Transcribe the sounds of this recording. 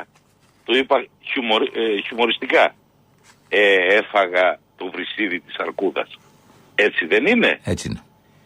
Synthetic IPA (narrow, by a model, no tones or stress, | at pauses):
t̪oipɐ | çumoɾçumo̞ɾist̪ikɐ | eefɐɣɐt̪ovɾisiðit̪i̥sɐɾkuðɐ̰s | e̞t͡siðe̞nine̞̰et͡sine